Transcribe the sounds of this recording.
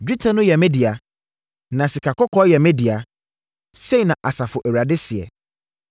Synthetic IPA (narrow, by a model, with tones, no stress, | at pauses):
bi˦tʰɛ̃˨nʊ̃˦jɛ˨mɛ̃˦di˨a˨ | nã˨si˨kʰa˨kʰɔ˦kʰɔ˦jɛ˨mɛ˦di˨a˨ | se˦i˨nã˨ʔa˨sa˨fʊ˨ʔɛ˨wɾa˨dɪ˦sɪ˨ɛ̰˨